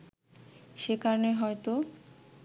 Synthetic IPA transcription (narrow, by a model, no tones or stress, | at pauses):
ʃekaɾoneɦɔet̪o